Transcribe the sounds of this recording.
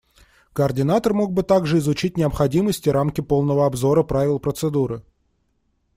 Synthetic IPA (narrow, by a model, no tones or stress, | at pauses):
kəɐrdʲɪnat̪ərmo̞ɡ̚bɨt̪aɡʐɨɪzʊt͡ɕit̚ʲnʲɪəpxɐdʲiməsʲtʲɪɾamkʲɪpo̞lˠnəvəɐbzo̞ɾəpɾavʲɪlˠpɾət̪sɨd̪uɾɨ